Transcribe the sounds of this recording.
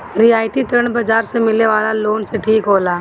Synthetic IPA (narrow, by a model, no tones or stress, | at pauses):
ɾiaːɪt̪it̪ɾəɳ̃bəd͡ʒaːɾsemɪleʋaːlaloːnseʈʰiːkɦoːlaː